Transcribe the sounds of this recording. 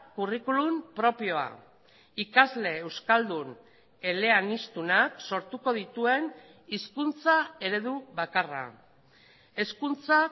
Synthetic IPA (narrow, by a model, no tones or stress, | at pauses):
kurikulumpɾo̞pio̞a̰ | ikazle̞ːwskald̪un | e̞le̞anist̪unakso̞ɾt̪uko̞ð̞it̪ue̞n | iskunt͡sae̞ɾe̞ð̞uβakara̰ | e̞skunt͡sa